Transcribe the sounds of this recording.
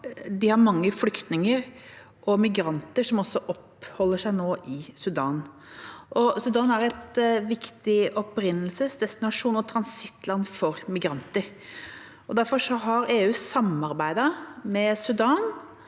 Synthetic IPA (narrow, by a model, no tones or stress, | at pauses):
d̪ɪhɑɾmɑŋːəflʏkt̪nɪŋəɾ | ʔɔmɪɡɾɑnt̪əʂɔmɔsːɔʔɔphɔlːəʂæɪnoːʔɪsʉd̪ɑːn | ʔɔsʉd̪ɑːnæɾɛt̪ʋɪkt̪ɪʔɔpɾɪnːəlsəsd̪ɛst̪ɪnɑʂuːnɔt̪ʰɾɑnsɪt̪ːlɑnfɔɾmɪɡɾɑnt̪əɾ | ʔɔd̪æɾfɔʂɔɦɑɾeːʉːsɑmːɑɾbæɪd̪ɑmɛsʉd̪ɑːn